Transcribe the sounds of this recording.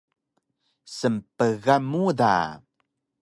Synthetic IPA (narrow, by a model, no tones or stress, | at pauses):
səmpəɣamuda̰